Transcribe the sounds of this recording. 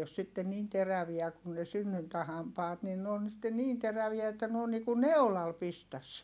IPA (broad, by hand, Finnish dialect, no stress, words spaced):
os sitːen niːn teræʋiæ kun ne synːyntæhɑmpɑːt nin n oːn sitːe niːn teræʋiæ etːæ n oːn niːku neu̞lɑl pistæs